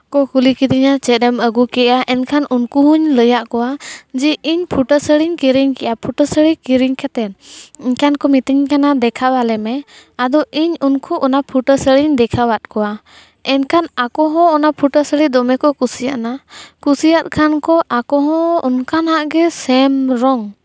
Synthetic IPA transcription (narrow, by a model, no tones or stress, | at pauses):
kɔkulikid̪iɲat͡ʃɛɾɛməɡukɛʔaʔɛnkʰanunkuɦuɲləjaʔkɔwad͡ʒɛʔiɲpʰuʈəsəɽiɲkiɾiɲkɛʔapʰuʈəsəɽikiɾiɲkɛt̪ɛniɲkankɔmit̪iɲkanad̪ɛkʰawalɛmɛ | ad̪ɔʔiɲunkʰuʔɔnapʰuʈəsəɽiɲd̪ɛkʰawat̪̚kɔwa | ɛnkʰanakɔɦɔ̃ːnapʰuʈəsəɽid̪ɔmɛkɔkusijaʔnakusijat̪̚kʰankɔʔakɔɦɔ̃ɔ̰nkanaʔɡɛsɛmɾɔŋ